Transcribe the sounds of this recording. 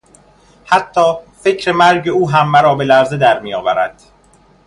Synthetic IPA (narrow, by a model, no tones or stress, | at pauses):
hæt̪ʰːɒːfe̞cʰɾe̞mæɾɟe̞uːɦæmːæɾɒːbe̞læɾzed̪æɾmijɒːvæɾæ̰d̪̥